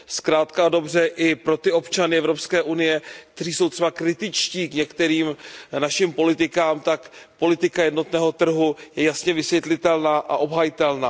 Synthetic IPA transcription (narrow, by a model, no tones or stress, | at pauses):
skɾaːt̪kado̞brɛʔɪpɾo̞t̪ɪo̞pt͡ʃanɪɛvɾopskɛːʔunɪjɛk̚t̪ɛr̝iːso̞wt̪r̥ɛbakɾɪt̪ɪt͡ʃciːkɲɛkt̪ɛɾiːmnaʃɪmpo̞lɪt̪ɪkaːmt̪akpo̞lɪt̪ɪkajɛdno̞t̪nɛːɦo̞t̪r̩ɦujɛjasɲɛvɪsvjɛt̪lɪt̪ɛlnaːʔaʔo̞bɦajɪt̪ɛlnaː